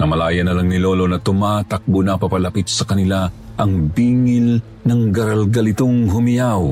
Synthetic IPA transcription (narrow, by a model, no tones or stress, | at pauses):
nɐmɐlaːjɐnɐlaŋnɪlo̞ːlo̞nɐt̪ʊmat̪ɐk̚bʊnɐpɐpɐlɐpit̪̚sɐkɐnɪla | ʔɐŋbiːŋɪl | nɐŋɡɐɾɐlɡɐlɪt̪oŋɦʊmɪjaw